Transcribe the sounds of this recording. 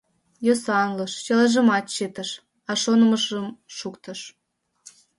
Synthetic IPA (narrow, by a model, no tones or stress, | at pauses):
josɑnləʃt͡ɕəlɑʒəmɑt̪t͡ɕet̪əʃ | ɑʃonəməʃəmʃukt̪ə̆ʃ